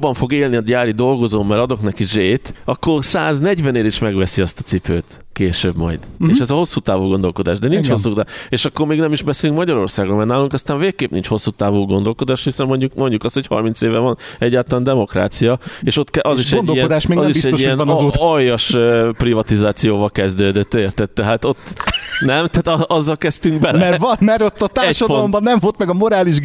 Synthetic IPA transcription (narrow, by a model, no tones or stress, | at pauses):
bːɒɱfo̞ɡeːlniɒɟaːɾid̪o̞lɡo̞zoːmːɛɾɒd̪o̞knɛkiʒeːt̪ɒkːo̞rsaːznɛɟvɛneːɾiʃmɛɡvɛsiɒst̪ɒ̥t̪sipøːt̪ | keːʃøːbmɒ̰jd̪̥eːʃɛzɒho̞sːuːt̪aːvuːɡo̞nd̪o̞lko̞d̪aːʒd̪ɛnint͡ʃhos̬ːukt̪aeːʃɒkːo̞rmeːɡnɛmiʒbɛseːlyŋk̚mɒɟɒɾo̞rsaːɡomɛrnaːluŋkɒst̪aːɱveːkkeːpnḭnt͡ʃho̞sːuːt̪aːvuːɡo̞nd̪o̞lko̞d̪aːʃhisɛmːo̞ɲɟukmo̞ɲɟukɒst̪hochɒ̰rmint̪seːvɛvɒnɛɟːaːlt̪ɒlaːnd̪ɛmo̞kra̰ːt̪sijɒeːʃo̞t̪ːkɛʔɒziʃɛnɟ̪oijɛnd̪aːʃmeːɡzibiʃɛɟoiɛnnːt̪ɒjːɒʃøprivɒt̪izaːt̪sijoːvɒlkɛzd̪øːd̪et̪ːeːrt̪ɛt̪ːɛɦaːt̪o̞t̪ːnɛmt̪ɛaːt̪ɒʔɒzːɒlkɛst̪yŋɡbɛlɛmɛvnmɛɾo̞t̪ːɒt̪aɛːʃɒdfolombɒnːɛɱvolt̪mɛɡɒmo̞ɾaːliʒ